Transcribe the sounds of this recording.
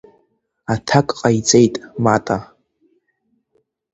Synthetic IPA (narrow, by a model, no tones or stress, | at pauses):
atʰakʼqʼait͡sʼejtʼmatʼa